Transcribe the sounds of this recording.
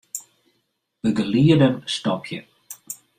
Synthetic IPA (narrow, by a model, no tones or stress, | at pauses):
ðəɡəliːdəmst̪ɔpʰjə̰